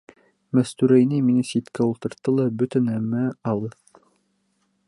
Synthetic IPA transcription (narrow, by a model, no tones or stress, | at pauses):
mæst̪ʉɾæjniminɘsit̪kæulˠt̪ɤ̆ɾt̪ːɤlˠɑbɵt̪ɘnæmːæɑlˠɤð